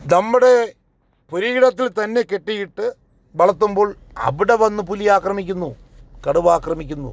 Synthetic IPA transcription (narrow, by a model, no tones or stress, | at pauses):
nɐmːuɽe̞ | puɾiiɽɐt̪̬ːilt̪ɐnːe̞ke̞ʈːijiʈːɨ | ʋɐɭɐt̪ːumbo̞ːɭ | ɐ̰ʋiɽe̞ʋɐnːɨpulijaːkrɐmik̬ʲːunːu | kɐɽuʋaːkrɐmikʲːunːṵ